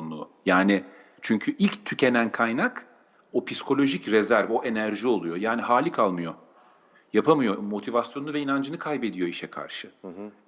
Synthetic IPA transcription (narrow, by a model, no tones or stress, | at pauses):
onlˠṵːjaːnɪ | t͡ʃʰyɲcʰyʔilʲct̪ʰycʰe̞nænkʰajnak | opʰiskʰo̞lʲo̞ʒicɾezæɾvo̞ʔe̞næɾʒio̞lˠujo̞jaːniɦaːlʲikʰalˠmɯjo̞ | japʰamɯjo̞mo̞t̪ʰivasjo̞nuvɛinand͡ʒɯnɯkʰajbe̞d̪ijo̞iʃɛkʰa̰ɾʃɯ